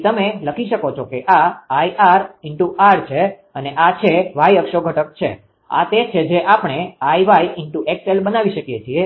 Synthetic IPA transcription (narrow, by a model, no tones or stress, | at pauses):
t̪əmeləkʰiʃəkot͡ʃʰokeʔaaiʔaɾɪɳʈuaɾt͡ʃʰe | əneʔat͡ʃʰeʋajəkʃoɡʱəʈək̚t͡ʃʰḛ | a̰t̪et͡ʃʰed͡ʒeʔapɳ̃eaiʋaiɪɳʈuʔekselbənaʋiʃəkijet͡ʃʰie